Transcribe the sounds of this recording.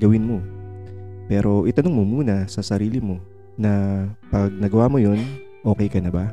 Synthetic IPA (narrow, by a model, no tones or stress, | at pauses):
ɡɐwɪnmo̞ | pɛːɾʔo̞ʔɪt̪ɐnʊŋmomuːnɐsɐsɐɾiːlɪmo̞ | nɐpɐɡ̚nɐɡɐwaːmojo̞n | ʔo̞ːkɛjkɐnɐba